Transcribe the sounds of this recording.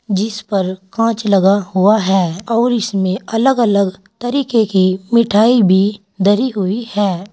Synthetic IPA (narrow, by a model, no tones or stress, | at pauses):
d͡ʒɪspɐɾkãːt͡ʃlɐɡahuaɦɛːɔːɾɪsmẽɐləɡələɡt̪ɐɾiːkekimɪʈʰaːibʱi | d̪ʱɐɾiɦʊihɛː